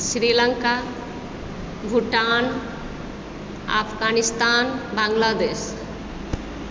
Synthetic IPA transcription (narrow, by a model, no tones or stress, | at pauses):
sɾiləŋka | bʱuʈan | a̰pʰɡanist̪aːnbaŋɡlad̪eːs